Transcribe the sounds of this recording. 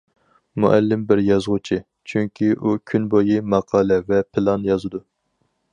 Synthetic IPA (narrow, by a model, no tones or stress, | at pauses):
mṵʔælːɪmbɪɾjɑzʁʊt͡ʃʰɨ | t͡ʃʰyŋkʲʰiʔukʲʰynbojimɑqʰɑːlɛvɛpʰɪlˠɑnjɑzɨd̪u